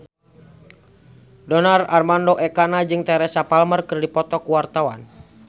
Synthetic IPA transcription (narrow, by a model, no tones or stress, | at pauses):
dɔnararmandoʔɛkanad͡ʒɨŋt̪ɛɾɛsapalmərkɨrdipɔt̪ɔkuwart̪awan